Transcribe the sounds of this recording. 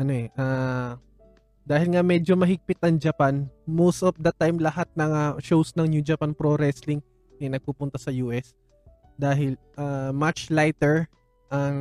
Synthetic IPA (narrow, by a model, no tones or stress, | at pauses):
ʔɐnoʔɛʔaː | d̪aːhɪlŋamɛd͡ʒo̞mɐɦɪɡ̚pɪt̪̚ɐŋd͡ʒɐpanmost̪op̚d̪ɐt̪ːajmlɐhat̪̚nɐŋaʃowsnɐŋnjud͡ʒɐpanpɾoɾɛslɪŋ | ɐnɐɡ̚pupʊnt̪ɐsɐjuːʔɛs | d̪aːɦɪl | ʔaːmat͡ʃlajt̪ɛɹ | ʔɐŋ